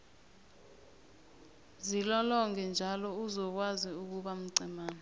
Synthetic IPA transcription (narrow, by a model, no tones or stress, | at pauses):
zilɔlɔŋɛnd͡ʒʱalɔuzɔk̬waziuk̬uɓam̩ɡ͡ǀʱɛmaːna